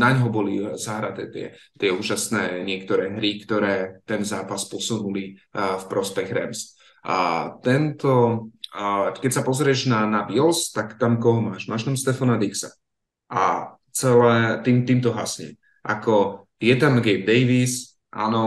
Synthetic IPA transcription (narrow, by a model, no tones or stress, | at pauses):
naɲɦɔbɔlizaɦɾat̪ɛːt̪ɪɛ̰t̪ɪɛuːʒasnɛːɲɪɛk̚t̪ɔɾɛːɦɾikt̪ɔɾɛːt̪ɛnzaːpaspɔsunulifpɾɔspɛɣɾɛ̰ms | t̪ɛnt̪ɔ | kɛcsapɔzɾɪɛʒnanabilst̪akt̪amkɔɦɔmaːʒmaːʃt̪amst̪ɛfɔnad̪iksa̰ | ʔa̰ | t͡sɛlɛːt̪iːmt̪iːmt̪ɔɦasɲɛ̰ | ʔa̰kɔ | jɛt̪amɡɛjb̚d̪ɛjʋis | ʔa̰nɔ